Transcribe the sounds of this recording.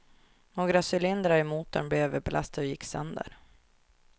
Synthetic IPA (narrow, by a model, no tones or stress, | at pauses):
ɔɡɾasʏlɪnd̪ɾaɛmuːt̪ənblɛvbɛlʔast̪ad̪ɔjɪkːsœ̰nd̪ə̰ɾ